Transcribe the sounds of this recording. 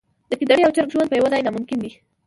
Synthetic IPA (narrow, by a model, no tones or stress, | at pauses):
d̪̥əkid̪aɽiawt͡ʃaɾkʒwand̪pəjawalajnamʊmkɪnd̪i